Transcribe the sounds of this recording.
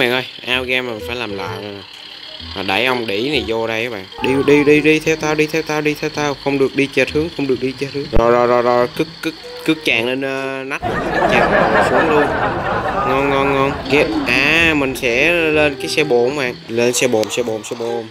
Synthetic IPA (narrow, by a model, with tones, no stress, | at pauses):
ɓa̰ː˨˩ŋʔəː˧jʔaː˧wɣɛː˧ma˨˩nfaː˧˩jlaː˨˩mla̰ː˧˨jn˨˩ | maː˨˩ɗa̰˧˩jʔə˧wŋ͡mɗi˧˩na˨˩jzo˧ɗə˧jʔaː˨˦ɓa̰ː˧˨ŋɗi˧ɗi˧ɗi˧ɗi˧t̪ʰɛ˧wt̪aː˧wɗi˧t̪ʰɛ˧wt̪aː˧wɗi˧t̪ʰɛ˧wt̪aː˧wxə˧wŋ͡mɗɨ˨˩ək̚ɗi˧t͡ɕe˨˩t̚hɨ˨˦əŋxə˧wŋ͡mɗɨ˨˩ək̚ɗi˧t͡ɕe˧˩t̚hɨ˨˦ŋzɔ˨˩zɔ˨˩zɔ˨˩zɔ˨˩kɨ˦˥kːɨ˦˥k̚ | kɨ˦˥k̚t͡ɕaː˨˩ŋle˧nː˧na˦˥k̚ma˨˩˨kɨ˨˦˥k̚t͡ɕɛ˦˩p̚a˨˩mɔ˨˩su˨˦əŋlu˧ən | ŋɔ˧nŋɔ˧nŋɔ˧nɣɛ˦˥p̚ʔaː˨˧˩mï˨˩ŋ̟sɛ̰˧˥˧le˧nkaː˨˦jsɛ˧ɓo˨˩mɓa̰ː˨˩ŋle˧nsɛ˧ɓo˨˩msɛ˧ɓo˨˩msɛ˧ɓo˨˩m